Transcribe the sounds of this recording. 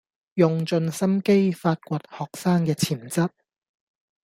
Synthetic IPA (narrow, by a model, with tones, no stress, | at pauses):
jʊ˨ŋt͡sɵ˧nsɐ˥mke˥jfaː˧t̚kʷɔː˧t̚hɔː˨k̚saː˥ŋkɛː˧t͡sʰiː˨˩mt͡sɐ˥t̚